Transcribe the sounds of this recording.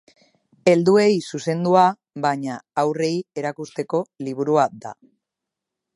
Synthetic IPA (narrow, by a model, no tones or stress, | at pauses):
e̞ld̪ue̞jsuse̞nd̪ua | βaɲaːwre̞je̞ɾakust̪e̞ko̞liβ̞uɾuad̪a̰